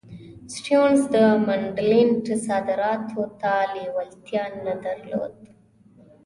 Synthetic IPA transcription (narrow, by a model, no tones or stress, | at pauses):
sʈjonsd̪əmaɳɖlɪɳʈsɑd̪ɪɾɑt̪ʰot̪alewalt̪jɑnːad̪aɾlo̰d̪